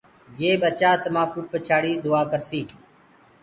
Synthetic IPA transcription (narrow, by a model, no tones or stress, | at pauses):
jeːbət͡ʃaːt̪əmãːkʊʈ̚pət͡ʃʰaːɽiːd̪ʊaːkəɾsiː